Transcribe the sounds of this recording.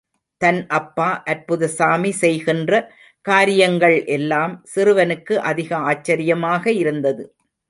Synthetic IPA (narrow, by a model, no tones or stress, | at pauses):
t̪ɐnʔɐpːaːʔɐɾpʊðɐsaːmisɛjɣɪndrɐ | kaːɾɪjɐŋɡɐɭʔɛlːaːmsɪrɯʋɐnɯkːɯʔɐðɪɣɐaːt͡ʃːɐɾɪjɐmaːɣɐɪɾɯnd̪ɐðɯ